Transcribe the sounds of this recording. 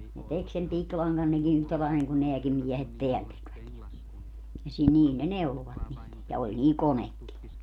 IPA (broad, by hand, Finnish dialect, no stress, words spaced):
ne tek sem piklɑŋɡɑn neki yhtæ lɑil niŋ ku neækim miɛhet teæl tekʋæt jɑ jɑ sil niːl ne neuloʋɑt niːt jɑ olʲ niːl konekːi